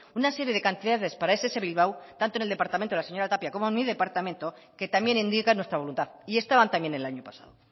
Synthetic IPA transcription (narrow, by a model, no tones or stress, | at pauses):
unase̞ɾjeðe̞kant̪iðaðespaɾaesese̞βilβawt̪ant̪o̞neld̪e̞paɾt̪amẽnt̪laseɲo̞ɾat̪apjako̞moenmiðe̞paɾt̪amẽ̞nt̪o̞ | ke̞t̪amje̞nĩnd̪ikanwet̪ɾaβlunt̪aðie̞st̪aβant̪amje̞nenelaɲopasa̰ðo